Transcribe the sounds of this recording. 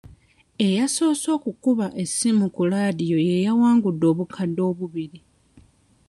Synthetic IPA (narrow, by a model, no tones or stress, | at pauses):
e̞jaso̞ːso̞ːkukuβaʔe̞sːimukulaːdijo̞je̞jawaːŋɡudːo̞ːβukʰadːo̞ːβuβiɾi